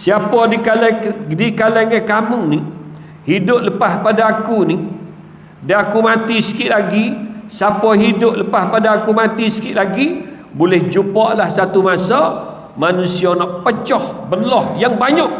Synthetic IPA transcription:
siapɔdikaldikaleŋɛkamuni | hidʊp̚ləpahpadaːkuni | daakumat̪isə̥kɪʔlaɡisapɔɦidʊp̚ləpahpadaːkumat̪isə̥kɪʔlaɡi | bolɛhd͡ʒupɔʔlahsat̪umasa | manusiɔnɔʔpət͡ʃɔhbərlɔhjaŋbaɲɔʔ

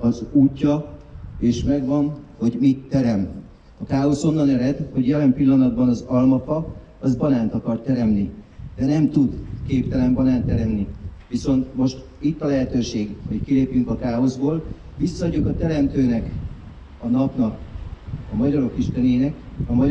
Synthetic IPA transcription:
ɒzuːcːɒeːʃmɛɡʋɒnho̞ɟmit̪ːɛɾɛmt̪ | ɒkaːo̞so̞nːɒnɛɾɛd̪ho̞ɟjɛlɛmpilːɒnɒd̪bɒnɒzɒlmɒfɒ | ɒzbɒnaːnt̪ɒkɒrt̪ːɛɾɛmnid̪̥ɛnɛmt̪ud̪keːpt̪ɛlɛmbɒnaːnt̪ɛɾɛmniʋiso̞nt̪mo̞ʃt̪ | it̪ːɒlɛɦɛt̪øːʃeːɡho̞ckileːpjyŋkɒkaːo̞zboːl | visːɒːɟokɒt̪ɛɾɛmt̪øːnɛk | ɒnɒpnɒk | ɒmɒɟɒɾo̞kiʃt̪ɛneːnɛkɒmɒ

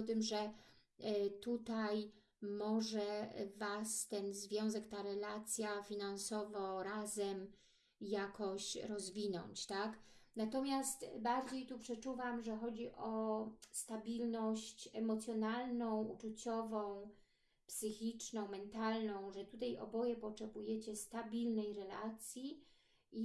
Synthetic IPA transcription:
t̪ɘmʐɛ | t̪ut̪aj | mɔʐɛvast̪ɛnzvʲjɔ̃w̃zɛkt̪aɾɛlat̪sʲjafʲinansɔvɔɾazɛm | jakɔɕɾɔzvʲinɔ̰ɲt͡ɕt̪aknat̪ɔmʲjast̪baɾd͡ʑejt̪upʂɛt͡ʂuvamʐɛxɔd͡ʑiʔɔst̪abʲilnɔɕt͡ɕɛmɔt̪sʲjɔnalnɔ̃w̃ut͡ʂut͡ɕɔvɔ̃w̃ | psɘxʲit͡ʂnɔ̃w̃mɛnt̪alnɔ̃w̃ʐɛt̪ut̪ajʔɔ̰bɔjɛpɔtɛbujɛt͡ɕɛst̪abʲilnɛjɾɛla̰t̪sʲji | ʔi

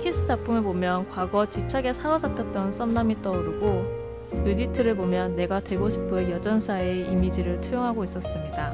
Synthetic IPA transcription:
kʰis͈ɯd͡ʑap͈ʰumebomjʌnkwaɡʌt͡ɕip̚t͡ɕʰaɡe̞sʰaɾʌd͡ʑapʰjʌt̚t͈ʌns͈ʌmnamit͈ʌuɾɯɡo | juditʰɯɾɯɭbomjʌnːe̞ɡatwe̞ɡoɕʰi̥pʰɯjʌd͡ʑʌnsʰaeimid͡ʑiɾɯɭtʰujoŋɦaɡois͈ʌs͈ɯmɲida

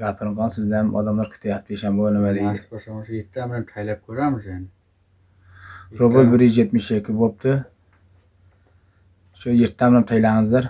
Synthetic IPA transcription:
ɡʲapʰɪɾɨɴʁɑnsɪzd̪aamʔɒ̰d̪amlˠaɾkʲʰɪ̥t̪ʰɪjap̚t̪ʰɪeʃambonɪmad̪ɪosamzjeɾt̪ʰːamɪlant̪ʰajlap̚kʲʰɵɾamɪzanɪ | ɾobɪlbɪɾjzjet̪mɪʃekʲʰːɪbop̚t̪ʰɪ | ʃʊjeɾt̪ʰːamnamt̪ʰajlaŋɨzd̪aɾ

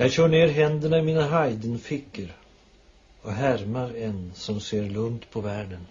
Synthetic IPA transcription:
jɑːɡɕœːɳeːɾɦɛnd̪əɳaɪmiːnaɦajd̪ənfɪkːəɾ | ɔɦæɾmaɾɛnsɔmseːɾlɵŋt̪pʰɔvæːɖən

